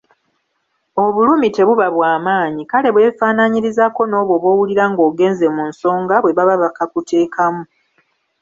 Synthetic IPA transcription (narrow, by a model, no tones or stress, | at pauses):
o̞βuluːmite̞βuβaβwaːmaːɲikale̞βwe̞ːfaːnaɲiɾizako̞no̞ːβwo̞βwo̞ːwuliɾaŋɡo̞ːɡe̞ːnze̞munso̞ːŋɡaβwe̞βaβaβakakutʰe̞ːkʰamu